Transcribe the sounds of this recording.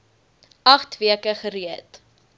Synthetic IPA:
ɐχtviəkəχəɾiət

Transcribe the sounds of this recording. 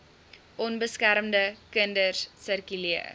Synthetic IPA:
ʔɔnbəskæɾəmdəkəndərssərkyliə

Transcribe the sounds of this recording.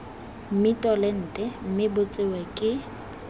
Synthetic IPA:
m̩mɪtʼɔlɛn̩ːtʼɛm̩mɪbʊt͡sʼɪwɛkʼɪ

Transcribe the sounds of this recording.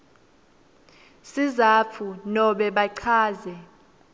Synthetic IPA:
sizapʰunɔɓɛɓaǀʰaːzɛ

